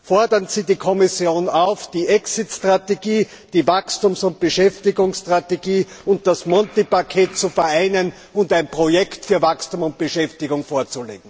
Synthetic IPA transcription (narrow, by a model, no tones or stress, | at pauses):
fɔɐdɐnziːdiːkʰɔmɪsjoːnaʊfd̥iːʔɛksɪtstʁ̥ateɡiː | d̥iːvakstuːmsʊnt̚b̥əʃɛftɪɡʊŋsstʁ̥ateɡiː | ʊnt̚d̥asmɔntipakʰeːt̚t͡sufɛɐaɪnən | ʊntæɪnpʁojɛktfyːɐvakstuːmʊnt̚b̥əʃɛftɪɡʊŋfoːɐt͡sulḛːɡŋ̩